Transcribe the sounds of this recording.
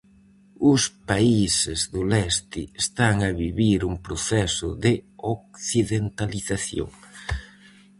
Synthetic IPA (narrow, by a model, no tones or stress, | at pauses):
ʊspaisɪzðʊlɛst̪ɪest̪aŋɐβiβiɾuŋpɾoθɛsʊ̰ðɪok̚θiðent̪aliθaθjo̰ŋ